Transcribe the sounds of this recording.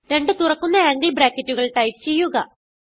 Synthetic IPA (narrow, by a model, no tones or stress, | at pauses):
ɾe̞ɳɖɨt̪urɐkːunːɐaːŋɡɐlbɾaːkːɐtːuɣɐɭʈɐjp̚t͡ɕe̞jːuɣɐ